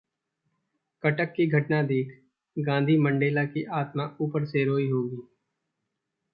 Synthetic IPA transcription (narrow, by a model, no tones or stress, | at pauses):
kɐʈəkːiɡʱɐʈnad̪eːkʰ | ɡãːnd̪ʱimə̃ɳɖeːlakiʔaːt̪maʔuːpəɾseɾoːiɦoːɡiː